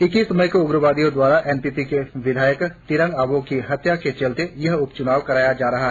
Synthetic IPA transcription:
ɪkisɐməjkoʊbɾəʋaːd̪ijõd̪waːɾaʔɛːnpitikeʋɪd̪ʱaːjəkt̪ɪɾə̃ŋɡaːɡõkiɦɐt̪jaket͡ʃɐlt̪ejɐɦʊpt͡ʃʊnaːʋkɐɾaːjad͡ʒaːɾɐɦa

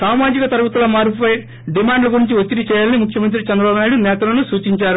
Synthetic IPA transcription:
saːmaːd͡ʒikɐt̪ɐɾubɐt̪ɐlɐmaːɾpipɐj | ɖimaːɳɖlɐɡuɾiɲt͡ʃiʋot̪ːiɾit͡ʃɛːjaːlɐnimukʰjɐmɐnt̪ɾit͡ʃɛnd̪ɾɐbaːbunaːjiɽunɛːt̪ɐlɐnusuːt͡ʃiɲt͡ʃaːɾu

